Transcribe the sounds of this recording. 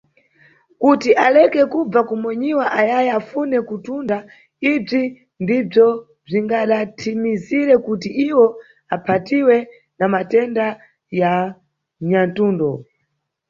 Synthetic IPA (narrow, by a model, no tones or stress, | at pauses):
kutiʔalɛkɛkub͡vakumwɛɲiwaʔajajafunɛkutunda | ib͡ʐi | ndib͡ʐɔ | b͡ʐiŋɡaɗatʰimiziɾɛkutiʔiwɔ | apʰatiwɛ | namatɛnda | ja | ɲantuːndɔ